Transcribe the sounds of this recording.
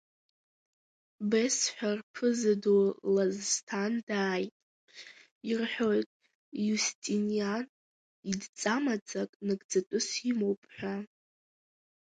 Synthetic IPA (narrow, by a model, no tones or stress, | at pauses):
besħʷᶣarpʰɨzadolazːtʰandaːjtʼ | irħʷᶣo̞jtʼ | justʼinijan | idt͡sʼamat͡sʼakʼnɨɡʼd͡zatʷʼʊsimowpʼħʷᶣa